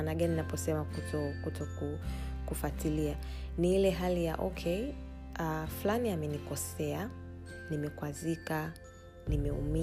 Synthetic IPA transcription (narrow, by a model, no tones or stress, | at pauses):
naɠaninapɔsɛmakutɔkutɔkukufatilianiilɛɦalija̰ʔɔkʰɛi | aflaniamɛnikɔsɛa | nimɛkwazika | nimɛṵmi